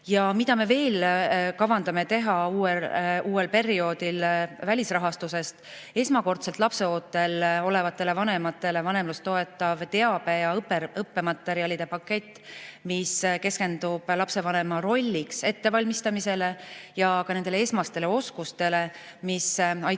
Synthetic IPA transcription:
jɑmid̪̥ɑme̞ve̞ːlkɑvɑnd̪̥ɑme̞t̪e̞ɦɑuːeʔuːe̞lpe̞ɾio̞ːd̪ilvælʲisrɑɦɑst̪use̞st̪ | e̞smɑko̞rt̪se̞lt̪ˑlɑpse̞oːt̪ːe̞lo̞le̞vɑt̪ːˑe̞le̞vɑne̞mɑt̪ːˑe̞le̞vɑne̞mlust̪o̞e̞t̪ːˑɑvt̪e̞ɑb̥e̞jɑɤpːeɾɤpːe̞mɑt̪ːe̞ɾiɑlʲid̪̥e̞pɑkːe̞t̪ːˑmiske̞ske̞nd̪̥ub̥lɑpse̞vɑne̞mɑɾo̞lʲːikse̞t̪ːe̞vɑlʲmist̪ɑmise̞le̞jɑkɑne̞nd̪elee̞smɑst̪e̞le̞o̞skust̪e̞le̞ | misɑj

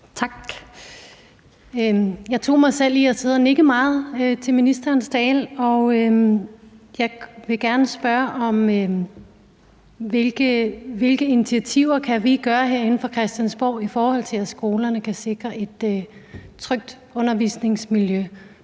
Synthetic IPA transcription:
t͡sʰɑ̈ɡ̥ | jɑ̈ɪt͡sʰo̝̰ːmɑ̈ɪsel̰iɒse̝ðˠɐne̝ɡ̥əmɑ̈ːð̞̩ˠt͡sʰe̝lminisd̥ɐːnsd̥ɛ̰ːlɒ̽ | jɑ̈ɪʋe̝ɡ̥æɐnəsb̥ɶɐʔɒ̽m | ʋe̝lɡ̥əʋe̝lɡ̥əinit͡sʰiæt͡sʰiʊ̰ɐkʰæʋiɡ̥ɶːɐɦeɐ̰e̝n̩fɒ̽kʰʁɛsd̥jænsb̥ɒ̰ʊ̰ifɒːhɒ̽l̰t͡sʰe̝læsɡ̥o̝ːlɐnəkʰæse̝ɡ̥ʁɐʔe̝d̥øt͡sʰʁœɡ̥̚d̥ | ɔ̽nɐʋḭsne̝ŋsmiljø

